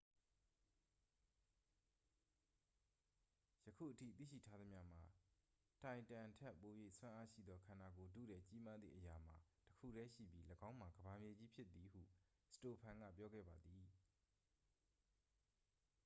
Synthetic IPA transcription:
jə˨kʰṵ˦˨ʔətʰḭ˦˨t̪ḭ˦˨ʃḭ˦˨tʰa˦d̪ə˦mja̰˦m̥a˨ | tã˨ɪ̃ntã˨tʰɛ˦˨pːo˨jwe˦˨ʔswã˦ʔa˦ʃḭ˦˨d̪ðɔ˦kʰã˨na̰˨ɡo˨dṵ˦˨ɾɛ˦t͡ɕi˦ma˦d̪ðḭ˨ʔəja˨m̥a˨təkʰṵ˦˨ɾɛ˦ʃḭ˦˨bji˦ləɡã˦ʊ̃m̥a˨ɡəba˨mje˨d͡ʑi˦pʰjɪ˦t̪̚ːi˨hṵ˦˨ | sə̥to˨pʰã˨ŋɡä̰˦˨pjɔ˦ɡɛ̰˦˨ba˨d̪ði˨

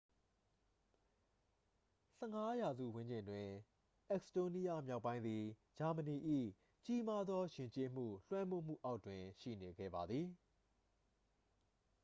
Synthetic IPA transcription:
sɛ˦˨ŋa˦ja˨zṵ˦˨wɪ̃˦ɲd͡ʑɪ̃˨ndwɪ̃˨ | ʔɛ˦ksto˦ni˦ja˦mja˦ʊpːã˦ɪ̃nd̪i˨d͡ʑa˨mə˨ni˨ʔḭ˦˨ | t͡ɕi˦ma˦d̪ðɔ˦jɪ̃˨ɲt͡ɕe˦m̥ṵ˦˨lwɛ̃˦mo˦˨m̥ṵ˦˨ʔa˦ʊtwɪ̃˨ʃḭ˦˨ne˨ɡɛ̰˦˨ba˨d̪ði˨

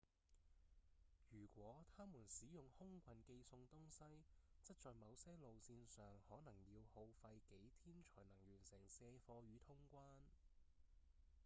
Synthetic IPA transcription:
jyː˨˩kʷɔː˨˥t̪ʰaː˥muː˨˩nsiː˨˥jʊ˨ŋhʊ˥ŋkʷʰɐ˨˩nke˧jsʊ˧ŋt̪ʊ˥ŋsɐ˥jt͡sɐ˥t̚t͡sɔː˨jmɐ˨˧wsɛː˥lo˨wsiː˧nsœː˨ŋhɔː˨˥nɐ˨˩ŋjiː˧who˨˧wfɐ˧jke˨˥jt̪ʰiː˥nt͡ʃʰɔː˨˩jnɐ˨˩ŋjyː˨˩nsɛː˨˩ŋsɛː˧fɔː˧ɥyː˨˧˥t̪ʰʊ˥ŋkʷaː˥n

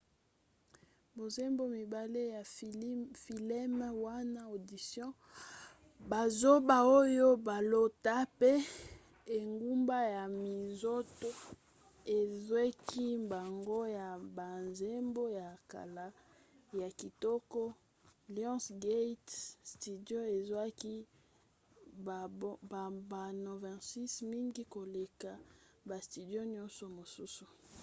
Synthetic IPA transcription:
bo˨ze˦mbo˦mi˨ba˨le˦ja˨˦ | fi˨lɛ˦m˦wa˦na˦o˨di˨sjɔ̃˦ | ba˨zo˦ba˨o˦jo˦ba˨lo˨ta˦pe˦ | e˨ŋɡu˦mba˦ja˨mi˨zo˦to˦ | e˨zwe˦ki˦ba˨ŋɡo˦ja˨ba˨nze˦mbo˦ja˨ka̰˨la˨ | ja˨ki˨tɔ˦kɔ˦ | ljɔ̃˦sɡe˦tsti˨djo˦e˨zwa˦ki˦˨ | bba˨no˨vɛ̃˨si˦smi˦ŋɡi˦ko˨le˨ka˨ | ba˨sti˨djo˦ɲjɔ˦nsɔ˨mo˨su˦su˨

